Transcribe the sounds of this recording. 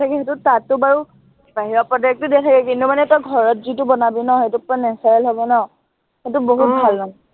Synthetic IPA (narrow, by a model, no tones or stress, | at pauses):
tʰakɛɦetʊtatːʊbaɹu | baɦiɹɔpɹɔdak̚tudɛtʰakɛkintumanɛtɔjɡʱɔɹɔtzitʊbɔnabinɔɦetʊpɔanɛsajɛlɦɔbɔnɔ | hetʊboɦut̚bʱalnɔ